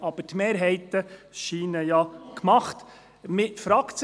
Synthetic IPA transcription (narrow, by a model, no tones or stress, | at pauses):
ɑb̥ətmeːɾɦɛɪt̪əʃiːnəjɑkʰmɑχt̪ | mɪtfɾɑkt͡s